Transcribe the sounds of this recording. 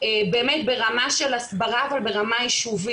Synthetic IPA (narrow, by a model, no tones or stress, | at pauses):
ebe̞ːmetbe̞ʁamaʃe̞lasbaʁaːvalbe̞ʁamaiʃuvi